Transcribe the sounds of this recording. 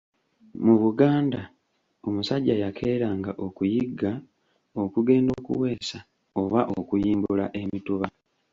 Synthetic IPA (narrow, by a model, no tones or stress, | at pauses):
muβuɡaːnda | o̞musaɟːajakʰe̞ːɾaːŋɡaʔo̞kujiɡːa | o̞kuɡe̞ːndo̞ːkṵwe̞ːsa | o̞βaʔokujiːmbulaʔe̞mituβa